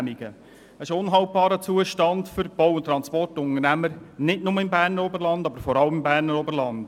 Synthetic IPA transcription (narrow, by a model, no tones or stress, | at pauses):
miɡ̥ə | ɛɪʃʊnɦɑlt̚b̥ɑːɾət͡suəʃtɑndfʏɾb̥ɔwʊnt̪ːɾɑnspɔrtʊnəɾnæməɾnɪtnʊməɪmbæːɾnəɾɔbəɾlɑndɑbəɾfɔɾɑləmɪmbæːɾnəɾɔbəɾlɑnd̥